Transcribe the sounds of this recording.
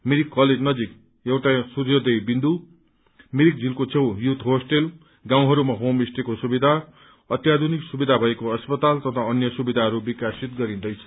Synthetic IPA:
miɾikːʌled͡znʌd͡zik | jewʈasurjʌd̪ʌjbind̪u | miɾik̚d͡zilkot͡sʰewjut̪ʰɦosʈel | ɡãw̃ɦʌɾumaɦomisʈekosubid̪ʱa | ʌt̪jad̪ʱuniksubid̪ʱabʱʌekoʌspʌt̪alt̪ʌt̪ʰaʌnjʌsubid̪ʱaɦʌɾubikasit̪ɡʌɾĩnd̪ʌjt͡sʰʌ̥

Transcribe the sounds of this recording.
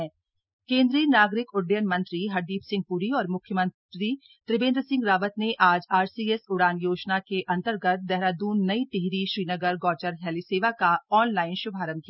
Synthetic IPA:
kẽːnd̪ɾiːnaːɡɾɪkʊɖjənmɐ̃nt̪ɾiɦɐɾd̪iːpsɪ̃ŋɡ̚puːɾiɔːɾmʊkʰjəmɐ̃nɾi | t̪ɾɪbẽːnd̪ɾəsɪ̃ŋɡɾaːʋət̪neʔaːd͡ʒaːɾsiːesʊɽaːnjoːd͡ʒnakeʔɐ̃nt̪əɾɡət̪̚d̪ɛɦɾaːd̪uːnːɐit̪ɪɦɾiʃɾiːnəɡəɾɡɔːt͡ʃəɾɦɛːliseːʋakaɔːnlaːɪnʃʊbʱaːɾəmkiaa

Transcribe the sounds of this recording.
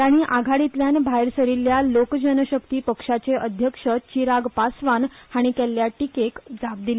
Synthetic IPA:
taɽ̃iʔaɡʱaɽit̪ljanbʱaeɾsəɾilːjalokd͡ʑənəɕəkt̪iːpəkʂat͡seʔəd̪ʱjəkʂət͡ɕiɾaɡpasʋanhaɽ̃ik̪elːjaʈikekd͡zap̚d̪ile

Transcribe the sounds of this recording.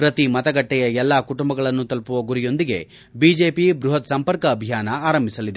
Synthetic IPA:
pɾɐt̪imɐt̪ɐɡɐʈːɛjɐɛlːaːkuʈumbɐɡɐɭɐnːut̪ɐlpuʋɐɡuɾijo̞nd̪iɡe̞ | biːd͡ʒeːpibɾuɦɐt̪sɐmpɐɾkɐːbʱijaːnɐaːɾɐmbʱisɐlid̪e

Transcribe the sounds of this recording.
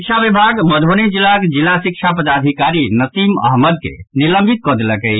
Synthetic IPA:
kt͡ʃʰabibʱaɡməd̪ʱonid͡ʒilːakd͡ʒilːasik̚t͡ʃʰapəd̪ad̪ʱikaɾinəsimə̰ɦməd̪̚kḛniləmbʱit̪̚kɔd̪eləkəj

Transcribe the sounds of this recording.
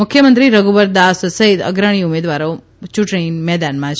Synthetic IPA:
ʊkʰːjəmənt̪ɾiɾəɡubəɾd̪assəɦit̪ə̰ɡɾəɽ̃iumed̪ʋaɾo | t͡ʃuʈɽ̃imɛd̪anmãt͡ʃʰ

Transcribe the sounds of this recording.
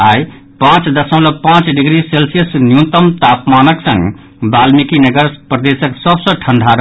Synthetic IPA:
aj | pãt͡ʃd̪əsəmləpãt͡ʃɖiɡɾiselsijəsnjut̪əmt̪apmanəksə̰̃ŋɡ | balmikinəɡəɾpɾəd̪esəksəbsə̃ʈʰəɳɖʱaɾəɦ

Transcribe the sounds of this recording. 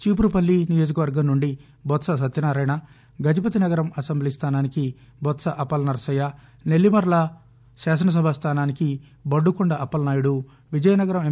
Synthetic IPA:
t͡ʃiːp̬uɾupɐlːinijo̞ːd͡ʒɐkɐʋɐɾɡɐmnuɳɖi | bɔt̪sɐs̬ɐt̪jɐnaːɾaːjɳɐ | ɡɐd͡ʒɐp̬ɐt̪inɐɡɐɾɐmɐsɐmblist̪ʰaːnaːniki | bɔt̪sɐʔɐpɐlnɐɾɐsɐja | ne̞lːimɐɾlɐ | ʃaːsɐnɐs̬ɐbʱast̪ʰaːnaːniki | bɐɖːukuɳɖɐʔɐpːɐlnaːjuɽu | ʋid͡ʒɐjɐnɐɡɐɾɐme

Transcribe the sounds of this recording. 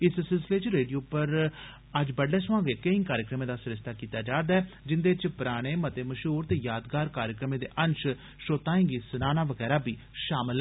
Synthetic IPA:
ɪssɪlsɪleːt͡ʃɾeːɖijoːpəɾ | əd͡ʒbəɽleːsʊʋãːŋɡeːkəɪ̃ːŋkaːɾjəkɾəmẽːd̪aːsɪɾɪsɪ̥t̪aːkiːt̪aːd͡ʒaːd̪aɛː | d͡ʒɪnd̪eːt͡ʃpɾaːɽ̃eːmət̪eːməʃɦuːɾt̪eːjaːd̪ɡaːɾkaːɾjəkɾəmẽːd̪ḛːʔənʃ | ʃoːt̪aːẽːŋɡiːsənaːnaːʋəɡɛːɾaːbiː | ʃaːmɪlɛ

